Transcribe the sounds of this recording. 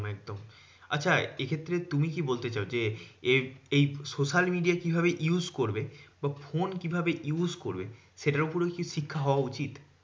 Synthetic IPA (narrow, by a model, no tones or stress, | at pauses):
mɛk̚d̪om | a̰tːɕʰaekʰet̪ːɾet̪umikibolt̪et͡ɕaod͡ʑeeejsoʃalmiɖiakibʱaβeʔjuzkoɾbebafonkibʱabeʔjuzkoɾbḛ | ʃeʈaɾupoɾokiʃikʰːaɦɔoaut͡ɕit̪